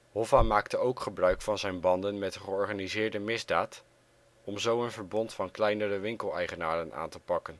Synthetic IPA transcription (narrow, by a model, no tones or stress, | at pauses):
ɦɔvamaːktəowkχəbrœɥkfɑnzɛjnbɑndənmɛtəχəɔɹχaːnizɪːɹdəmɪzdaːt | ɔmzowənvəɹbɔntfɑnklɛjnərəʋɪŋkəlˠɛjχənaːdəna̰ːntəpɑkən